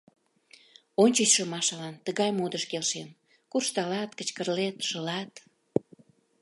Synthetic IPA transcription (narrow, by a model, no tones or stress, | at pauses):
onʲt͡ɕət͡ɕʃə̆mɑʃɑlɑnt̪əɣɑjmod̪əʃkelʃen | kurʃt̪ɑlɑt̪kət͡ɕkərlet̪ʃəlɑt̪